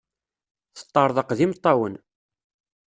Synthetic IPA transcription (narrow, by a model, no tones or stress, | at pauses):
θə̥t̪ˤːɑɾˤðˤɑqðimt̪ˤːɑwən